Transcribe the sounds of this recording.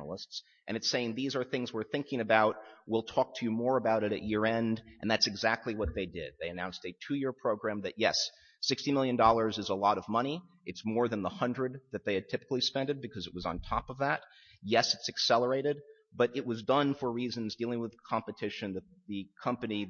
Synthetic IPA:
nl̩ˠəsts | ʔɨ̃nɨtseɪɪ̃ŋðizə˞θɪ̃ŋzwɪɹθɪ̃ŋkɪ̃ŋɨbaʊt̚wilˠtʰɔk̚tʰɨjɨmɔɹəbaʊɾɨɾɨ̰ʔ̚jɪɹɛ̃ndʔɨ̃nðætsɨɡzæk̚tʰˡliwʌt̪̚ðeɪdɪ̰d̪̚ðeɪɨnãʊ̃nstɨtʰʉjɪɹpʰɹ̥oʊɡɹæ̃mðɨʔ̚jɛs | ɪkstimɪlˠjɨ̃ndɔlˠə˞zɨzəlɔɾʌvmʌñi | ɨtsmɔɹðə̃nðəhʌ̃ndɹɨd̪̚ðɨt̪̚ðeɪɨd̚tʰɪpə̥klˠispɛ̃ndɨd̚bɨkʰʌzɨʔ̚wʌzn̩tʰɑ̰pʌvðæt̚ | jɛsɨtsɨksɛlˠə˞eɪɾɨd̚ | b̥ʌɾɨt̚wʌzdʌ̃nfə˞ɹizɨ̃nzdilˠɪ̃ŋwəð̥kʰɑ̃mpɨtʰɪʃɨ̃nðɨt̪̚ðɨkʰʌ̃mpɨni

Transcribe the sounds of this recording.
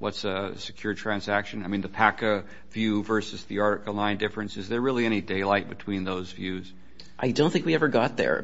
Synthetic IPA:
wʌ̰tsɨ̰sɨ̥kʰj̥ʊɹtʰɹ̥æ̃nzækʃɨ̃naɪmĩnðɨpʰækɨ | vjʉvɜ˞sɨzðiɑɹɾɨkl̩ˠnãɪ̃ndɪfɹɨ̃nsɨzðə˞ɹɪlˠiɛɾ̃ideɪlaɪt̚b̥ɨtʰw̥ĩnðoʊzvjʉz̥ | ʔaɪdõʊ̃nθɪ̃ŋkwiɛvə˞ɡɑt̪̚ðə̰˞

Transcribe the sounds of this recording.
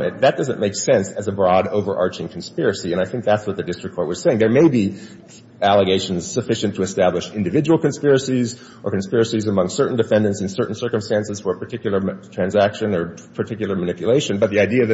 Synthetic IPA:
ɨ̰̃nðɨt̚d̥ʌzɨ̃nmeɪksɛ̃nsɨzəbɹɔɾoʊvə˞ʔɑɹt͡ʃɪ̃ŋkʰn̩spɪɹɨsiɨ̃ñaɪθɪ̃ŋk̚ðætswʌt̪̚ðɨdɪstɹ̥ɨk̚ʰɔɹt̚wʌz̥seɪɪ̃ŋðə˞meɪbi | ælˠəɡeɪʃnz̥sɨfɪʃɨ̃ntʰəːstæblɨʃɪ̃ndɨvɪd͡ʒəwl̩ˠkɨ̃nspɪɹɨsiz | ʔə˞kɨn̩spɪɹɨsizəmʌ̃ŋsɜ˞ʔn̩dɨfɛ̃ndɨ̃ntsɨ̃nsɜ˞ʔn̩sɜ˞kɨ̃mstæ̃nsɨz̥fə˞pə˞tʰɪkjl̩ˠə˞tʰɹ̥æ̃nzækʃɨ̃nə˞pʰə˞tʰɪkjl̩ˠə˞mɨnɪpjɨleɪʃɨ̃nbʌt̪̚ðiaɪdiɨðɨ

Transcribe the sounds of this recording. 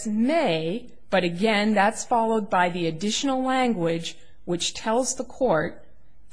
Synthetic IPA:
meɪ | b̥ʌɾɨɡɛ̃nðætsfɑlˠoʊd̚baɪðiɨdɪʃn̩l̩ˠlæ̃ŋɡwɪd͡ʒ | wɨt͡ʃtʰɛlˠzðəkʰɔɹt̚

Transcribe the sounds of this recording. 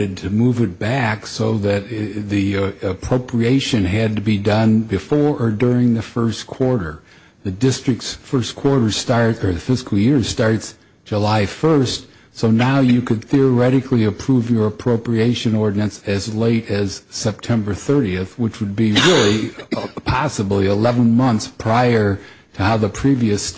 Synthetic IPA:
ɨd̚tʰɨmuvɨt̚b̥æksoʊðɨt̪̚ðiɨpʰɹ̥oʊpʰɹieɪʃɨ̃nɨd̚tɨbidʌ̃nbɨfɔɹʔə˞dʊɹɪ̃ŋðɨfɜ˞skʰw̥ɔɹɾə˞ | ðɨdɪstɹ̥ɨk̚tsfɜ˞skʰw̥ɔɹɾə˞stɑɹtə˞ðɨfɪskl̩ˠjɪɹstɑɹts | d̥ʒ̥əlaɪfɜ˞st | soʊnaʊjɨkʰɨd̪̚θiə˞ɛɾɨkliɨpʰɹ̥uvjə˞əpʰɹ̥oʊpɹieɪʃɨ̃nɔɹdⁿn̩ɨ̃nsɨzleɪɾɨz̥sɛp̚tʰɛ̃mbə˞θɜ˞ɾiɨθwət͡ʃwəd̚biɹɪlˠipʰɑsəbliɪlɛvə̃nmʌ̃nθspʰɹ̥aɪə˞ | ɾɨhaʊðəpʰɹ̥iviɨs

